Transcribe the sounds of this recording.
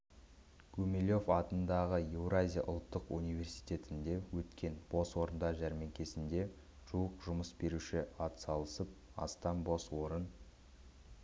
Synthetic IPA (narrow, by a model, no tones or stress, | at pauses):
ɡʰɵmelʲo̞fɑt̪ənd̪ɑʁəjewɾazʲija̰ʔʊ̰lˠt̪ːəqunijve̞rsi̥jt̪e̞t̪ɪnd̪e̞wɵt̪kʲe̞nb̥o̞swo̞ɾənd̪ɑʒæɾme̞ŋkʲe̞sɪnd̪e̞ | ʒ̥uəqʒʊməsbe̞ɾuʃɪɑt̪sɑlˠəsəp̚ | ɑ̰st̪ɑnbo̞swo̞ɾən